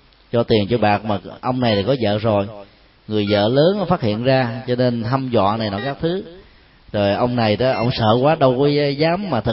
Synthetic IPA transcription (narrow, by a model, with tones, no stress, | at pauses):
t͡ɕɔ˧t̪i˨˩ənt͡ɕɔ˧ɓaː˨˩k̚maː˨˩ʔə˧wŋ͡mna˨˩jlaː˨˩kɔ˨˦zə̰ː˧˨zo˨˩j | ŋɨ˨˩əjzə̰ː˧˨ləː˨˦n˨˦faː˦˥t̚hḭ˧˨ənzaː˧t͡ɕɔ˧ne˧nɦa˧mzɔ̰a̰ː˧˨na˨˩jnɔ˨˦kaː˦˥k̚t̪ʰɨ˨˦ | zo˨˩jʔə˧wŋ͡mna˨˩jɗʔə̰˧wŋ͡msə̰ː˧˨kwaː˨˦ɗə˧wkəː˨˦jzaː˨˦mːaː˨˩t̪ʰɨ˨˩